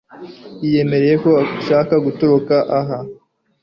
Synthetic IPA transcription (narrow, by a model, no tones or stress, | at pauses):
jije̞me̞ɾe̞je̞ko̞aʃaːkaɡutoɾokaʔaɦa